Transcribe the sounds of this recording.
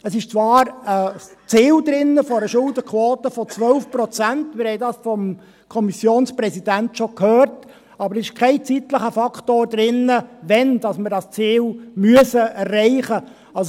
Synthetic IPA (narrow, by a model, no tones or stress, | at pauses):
əsɪʃt͡sʋɑːɾət͡siːld̪ɾɪnːəfɔɾəʃʊldəkʰʋɔːtəfɔt͡sʋœlfprɔt͡sæntmɪɾhɛjdɑːsfɔm | kʰɔmisjoːnspɾɛsidæntʃɔkhøːrt | ɑbəɾsɪʃkʰɛɪt͡sit̪ləχəfɑkχtoːɾdɾɪnːəʋɛnd̥ɑsməɾdɑst͡siːlmyəsəærːɛɪχə | ɑls